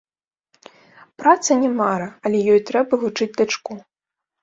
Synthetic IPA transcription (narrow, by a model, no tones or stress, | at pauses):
pɾat̪sɐnʲɛmaɾɐɐlʲɛjɔjt̪ɾɛbɐvut͡ʂɨd͡zʲd̪at͡ʂku